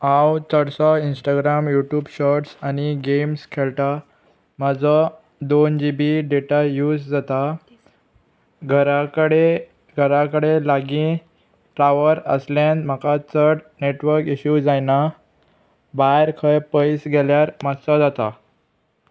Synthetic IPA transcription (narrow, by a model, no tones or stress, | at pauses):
ãwt͡səɽsɔinsʈaɡɾamjuʈjuːbɕɔɾʈsañiɡemskʰelʈa | mad͡zɔ | d̪ond͡ʑibiɖeʈajuːd͡zd͡zat̪a | ɡʱəɾakəɽe | ɡʱəɾakəɽelaɡĩ | ʈɾaʋəɾəslãnd̪m̤akat̪ʰəɾɽneʈʋəɾkiɕud͡zajna | baɾkʰəjpəjsɡeljaɾmatsɔd͡zat̪a